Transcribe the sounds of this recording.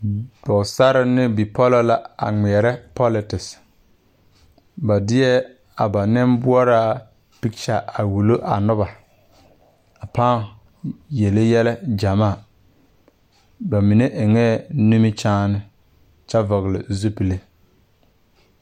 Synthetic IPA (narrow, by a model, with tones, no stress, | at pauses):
d̥ɔ˨sa˦ɾɪ˦nɪ˦bi˨pɔ˦lɔ˦la˦a̰˨ŋi˨ɛ˨ɾɛ˦pɔ˦lɪ˨tɪ˨s | ba˨dɪ˦ɛ˦ | a˨ba˨nɪ˦mbʊ˦ɔ˦ɾaː˦ | pi˦kt͡ʃa˨a˨wu˨lo˦ʔa̰˨nʊ˦ba˨ | a˨paː˦ŋ | je˨le˦jɛ˦lɛ˦d͡ʒa˨maː˦˨ | ba˨mi˨ne˦ʔɪ˨ŋɛː˦˨nu˦mi˦t͡ʃaː˦nɪ˦ | t͡ʃɛ˦vɔ˨ɣɪ˨lɪ̰˨zu˦pi˨le˦